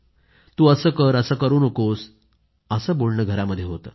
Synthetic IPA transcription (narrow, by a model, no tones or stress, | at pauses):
t̪uːəsəːkəɾəsəːkəɾuːnokos | əsəːbolɳəɡʱəɾaməd̪ʱːjeɦot̪ə̰ː